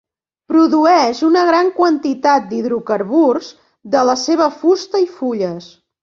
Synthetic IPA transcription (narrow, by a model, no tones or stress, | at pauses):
pɾuðuɛʒunəɣɾaŋkwənt̪it̪at̪̚d̪iðɾukəɾβurz | d̪ələseβəfust̪əifuʎəs